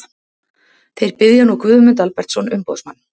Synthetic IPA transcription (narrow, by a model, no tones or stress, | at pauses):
θejɾpɪðjanukvʏːðʏmʏnt̪̬alpɛɾ̥t̪sɔnʏmpo̰wðsmanː